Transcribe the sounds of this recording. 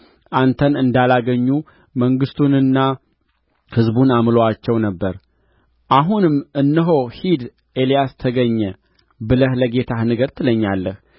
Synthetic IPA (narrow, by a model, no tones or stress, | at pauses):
ʔant̪ʰənɨnd̪alaɡəɲːu | məŋɡɨst̪ʰunɨnːa | hɨzbunamloat͡ʃːɛwnəbːəɾ | ʔaɦunɨmɨnːɨɦo̞hid̪ | elijast̪ʰəɡəɲːɛ | bɨləhləɡe̞t̪ʰahnɨɡəɾt̪ʰɨləɲːalːəh